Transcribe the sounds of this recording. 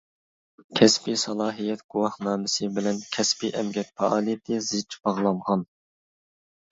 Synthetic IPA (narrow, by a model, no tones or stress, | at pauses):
kʲʰɛspisɑlˠɑːɦijɛt̪ɡ̥uwɑhnɑːmɪsɨbɪlɛnkʲʰɛspiʔɛmɡʲɛt̪fɑʔɑːlˠijɛt̪ʰɨzɪt͡ʃbɑʁlˠɑɴʁɑn